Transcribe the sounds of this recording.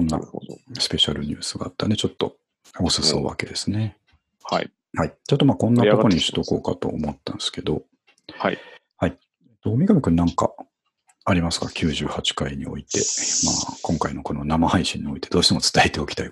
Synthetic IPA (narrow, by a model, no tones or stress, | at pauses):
õnːa̰sɨ̥pe̞ɕa̰ɾɯ̟ɲ̟ɨ̰ːsɨɡa̰ːt̪ːa̰nd̪e̞t͡ɕo̞t̪ːo̞ | osɨso̞̰ːβa̰ke̞d̪e̞sɨne̞ | ha | hait͡ɕot̪ːo̞maːkõ̞nːat̪oko̞ɲ̟iɕi̥t̪o̞ko̞̰ːka̰t̪o̞̰ːmo̞t̪ːãñsɨ̥ke̞d̪o̞ | hai | eːt̪oːomʲiɡamʲikɯ̟nnãŋka̰ː | ɾʲimasɨ̥kakʲʰɨːʑɨːhat͡ɕi̥kaiɲ̟io̞̰it̪e̞̰ma̰ːkõ̞ŋkaino̞ko̞no̞namahaiɕĩɲ̟ːio̞it̪e̞d̪oːɕi̥t̪e̞mo̞t͡sɨ̥t̪aet̪e̞o̞kʲi̥t̪ai